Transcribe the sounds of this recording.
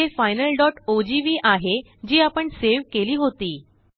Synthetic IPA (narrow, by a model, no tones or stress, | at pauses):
efajnəlɖɔʈod͡ʑiʋiːʔaɦe | d͡ʑiːapəɳseʋkeliːɦot̪iː